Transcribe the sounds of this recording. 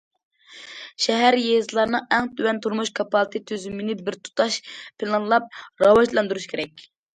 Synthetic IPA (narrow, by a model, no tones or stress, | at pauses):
ʃɛɦæɾjezɨlˠɑɾnɨŋɛŋt̪ʰywɛnt̪ʰuɾmuʃkʰɑpʰɑlˠɨt̪ʰɨt̪ʰyzymɪnɪbɪɾt̪ʰu̥t̪ʰɑʃpʰɪlˠɑnlˠɑp̚ɾɑwɑʒlˠɑnd̪uɾuʃkʰʲeɾɛkʲ